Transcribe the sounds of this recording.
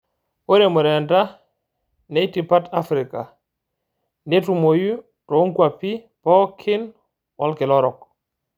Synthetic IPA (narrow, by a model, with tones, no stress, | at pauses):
o˦ɾe˨mo˨ɾe˨nda˦ | ne˦iti˨pa˦ta˦fɾika˨ | nde˦tu˨mo˨ju˦ | to˨˦ŋkwa˨pi˦ | pɔ˦kʰi˦n | wʔa˦lke˨lɔ˦ɾɔ˨k̚